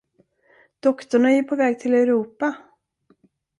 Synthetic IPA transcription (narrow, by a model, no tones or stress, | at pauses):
d̪̥ɔkt̪ʊɳajɪpʰɔvɛːɡ̚t̪ʰɪlɛɾuːpa